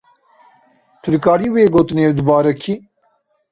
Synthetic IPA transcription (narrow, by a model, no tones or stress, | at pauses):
t̪ʰɨɾkaːɾiːweːɡoːt̪ɨneːwd̪ɨbaːɾɐkʰi